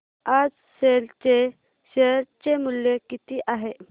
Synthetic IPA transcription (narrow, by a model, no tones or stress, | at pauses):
ad͡z | selt͡ɕe | ɕeɦɾt͡ɕemuljekit̪iʔaɦe